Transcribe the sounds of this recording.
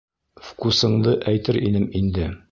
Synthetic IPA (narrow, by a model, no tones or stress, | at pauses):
fkusɤ̆ɴd̪ɤʔæjt̪ɘɾʔinɘmind̪ɘ